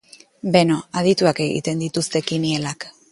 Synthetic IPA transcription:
be̞no̞að̞it̪uake̞ɣḭt̪e̞nd̪it̪ust̪e̞kinie̞lak

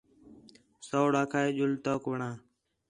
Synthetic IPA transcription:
soːɽaːkʰaːeːʄʊlt̪oːkʋəɳaː

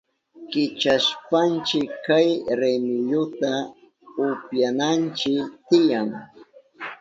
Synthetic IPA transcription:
kɪt͡ʃaʃpant͡ʃɪkkːajɾemɪʎʊt̪a | ʊpjanant͡ʃɪt̪ɪjaŋ

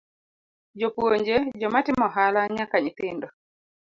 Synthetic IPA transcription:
d͡ʒɔpuoɲd͡ʒed͡ʒɔmatimɔɦalaɲakaɲit̪endɔ

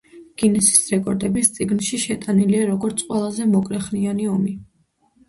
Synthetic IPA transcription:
ɡ̥inɛsi̥sɾɛkʼɔɾd̪ɛbist̪sʼiɡnʃiʃɛt̪ʼaniliaɾɔɡɔɾt̪sʰʼqʼwɛlˠazɛmɔkʼɾɛχnianiɔmi

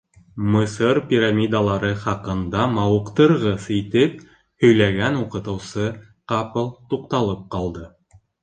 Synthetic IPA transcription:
mɤ̆sɤɾpʲiɾamʲid̪alˠɑɾɤχɑqɤ̆nd̪ɑmɑwɤ̆qt̪ɤ̆ɾʁɤsit̪ɘp̚ | hɵ̆jlæɡænuqɤ̆t̪ɤ̆wsɤ | qɑpɤlˠt̪uqt̪ɑlˠɤp̚qɑlˠd̪ɤ

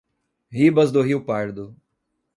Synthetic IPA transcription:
ɦibɐzd̪oɦiwpaɾd̪ʊ

